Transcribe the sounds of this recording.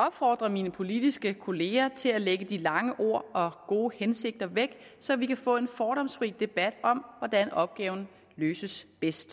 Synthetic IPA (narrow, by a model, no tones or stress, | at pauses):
ɒ̽b̥fɒ̰ːd̥ʁɐminəpʰo̝lid̥isɡ̥əkʰo̝le̝ːɐt͡sʰe̝læleɡ̥əd̥ilɑ̈ŋəʔo̝ɐ̰ɒ̽ɡ̥o̝ːhense̝ɡ̥̚d̥ɐʋeɡ̥sɒ̽ʋikʰæfɔ̰̽ːe̝nfɒːɾ̥ɒ̽msfʁḭːd̥e̝b̥æd̥ɒ̽mʋɒd̥ænɒ̽b̥̚ɡ̥ɛːʊn̩ | løːsəsb̥esd̥